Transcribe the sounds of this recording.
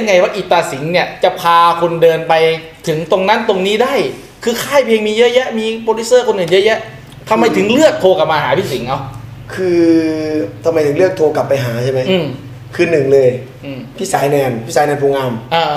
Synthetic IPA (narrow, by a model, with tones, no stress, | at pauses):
a˧nŋa˧jwaː˥˩ʔiː˨˩t̪ːaː˧˩si˩˦ŋni˦˥˩ɐt͡ɕa˨˩pʰaː˧kʰo˧ndɤː˧npa˧j | t̪ʰɯ˩˦ŋt̪o˧ŋna˦˥nt̪o˧ŋniː˦˥˩daː˥˩j | kʰɯː˧kʰaː˥˩jpʰeː˧ŋmiː˧jʔjɛ˦˥ʔmiː˧poː˧li˦˥sɤː˥˩kʰo˧nʔɯː˨˩njɤ˦˥ʔjɛ˦˥ʔ | t̪ʰa˧mːa˧jt̪ʰɯ˨˩˦ŋlɯ˥˩ək̚t̪ʰoː˧ka˨˩p̚maː˧ɦaː˩˦pʰiː˦˥˩si˨˩˦ŋʔa˧wkʰɯː˧ | t̪ʰa˧mːa˧jt̪ʰɯ˨˩˦ŋlɯ˥˩ək̚t̪ʰoː˧ka˨˩pːa˧jɦaː˩˦t͡ɕʰa˥˩ma˦˥jʔɯː˧m | kʰɯː˧nɯ˨˩ŋlɤː˧j | ʔːmpʰi˦˥˨saː˩˦jnɛː˧npʰi˦˥saː˨˦nɛː˧npʰoː˧ŋaː˧mʔaː˧